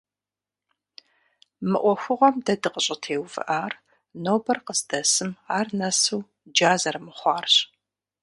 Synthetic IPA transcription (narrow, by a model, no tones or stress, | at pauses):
mɨ̰ʔʷɔxʷʊʁʷɔmdɐdɨqəɕʼɪtʰeːwvɨ̰ʔaːr | noːbɐrqəzdɐsɨmaːrnɐsuː | d͡ʒaːzɐrmɨχʷɑːrɕ